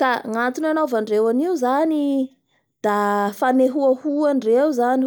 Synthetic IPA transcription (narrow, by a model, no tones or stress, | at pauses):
k̪aŋant̪inanavaɳɖ͡ʐewaniuzani | d̪̥afaneɦuahuaɳɖ͡ʐeuzani